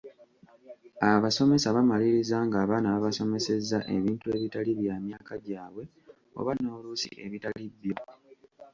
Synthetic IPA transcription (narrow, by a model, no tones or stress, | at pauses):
aβaso̞me̞saβamaliɾizaŋɡaːβaːnaβaβaso̞me̞se̞zːa̰ʔe̞βiːntue̞ːβitaliβjaːmjaːkaɟaːβwe̞ | o̰βano̞ːlusḭʔe̞̰βitaliβjo̞